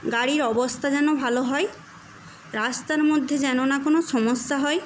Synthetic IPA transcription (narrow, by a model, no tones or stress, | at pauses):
ɡaɽiɾɔbost̪ʰad͡ʑɛnobʱaloɦɔe | ɾast̪aɾmod̪ʱːed͡ʑɛnonakonoʃɔmosːaɦɔe